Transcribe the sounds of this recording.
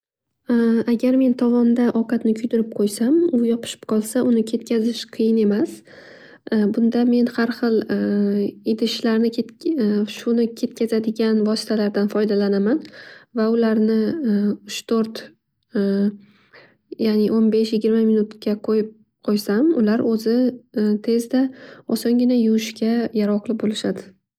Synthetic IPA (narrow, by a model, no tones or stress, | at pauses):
aɡʲaɾme̞nt̪ʰɒvɒnd̪aʔɒqɑt̪nɪkʲʰʊjd̪ɪɾɪp̚qʰojsamʊjɒpʰɨ̥ʃɪ̥pqʰɒlˠsaʔʊnɪkʲʰe̞t̪̚kʲʰazɪʃqʰɨjɪne̞mas | bʊnd̪ame̞nhaɾχɨlˠ | ed̪ɪʃlaɾnɪeʃʊnɪkʲʰe̞t̪̚kʲʰazad̪ɪɡʲanvɒsɪ̥t̪ʰalaɾd̪anfɒjd̪alanamanvaʊlaɾnɪʊʃt̪ʰoɾt̪ | janɪʔonbe̞ʃjɪɡʲɪɾmamɪnʊt̪kʲaqʰojɪp̚ | qʰojsamʊlaɾɵzɪt̪ʰe̞zd̪aɒsɒŋɡʲɪnajʊɪʃkʲʰajaɾɒqlˠɪbolɪʃad̪ɪ